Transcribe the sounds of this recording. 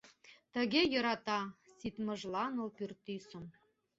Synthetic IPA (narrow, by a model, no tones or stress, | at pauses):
t̪ə̆ɡʲejɤ̆ɾɑt̪ɑsit̪mɤ̆ʒlˠɑnolpyrt̪ːysə̆m